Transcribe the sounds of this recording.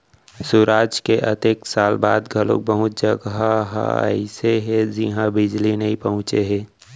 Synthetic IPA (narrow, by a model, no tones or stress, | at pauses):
suɾaːd͡ʒkeʔɐ̰t̪eːksaːlba̰ːd̪ɡʱəlo̰k̚bəɦʊt̪̚d͡ʒəɡaɦə̰ɪseɦɛd͡ʒiɦãbɪd͡ʒlinəĩpəɦʊ̃t͡ʃeɦɛː